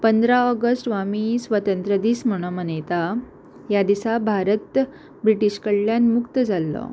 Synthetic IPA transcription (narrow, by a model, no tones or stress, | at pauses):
pənd̪ɾaɔɡəsʈʋamisʋət̪ənt̪ɾəd̪iːsm̤əɽ̃əmənet̪a | jad̪isabʱaɾət̪ | bɾiʈiɕkəɭːjanmukt̪əd͡zalːɔ̰